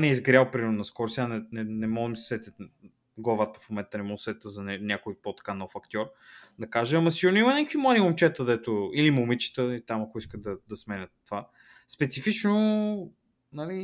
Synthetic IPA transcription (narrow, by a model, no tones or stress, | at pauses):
nɛizɡɾʲalˠpɾimɛɾnʊnɐskɔɾsʲanɛnɛnɛmɔɡmissɛt̪ə | ɡlˠɐvat̪ə̥fomɛnt̪ənɛmɔɡsɛt̪ʲt̪əzɐnɛnʲakʊjpot̪ɐ̥kanɔfɐkt̪ʲɔɾ | d̪ɐkaʒəɐmɐsiɡoɾnʊimɐnʲɛkəkvimlˠad̪imomt͡ʃɛt̪əd̪ɛt̪ʊilimomit͡ʃi̥t̪əit̪amɐkʊiskəd̪ɐd̪ɐsmɛnʲət̪ːva | spɛt̪sifit͡ʃno | nɐli